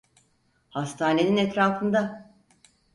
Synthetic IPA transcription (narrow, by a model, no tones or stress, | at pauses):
hast̪ʰaːne̞ninɛt̪ɾaːfɯnd̪a